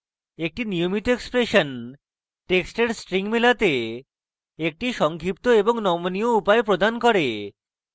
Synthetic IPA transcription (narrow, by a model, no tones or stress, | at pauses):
ek̚ʈiniomit̪oekspɾeʃon | ʈeksʈeɾsʈɾiŋmelat̪e | ek̚ʈiʃɔŋkʰip̚t̪oeboŋnɔmonijoupaepɾod̪ʱankɔɾe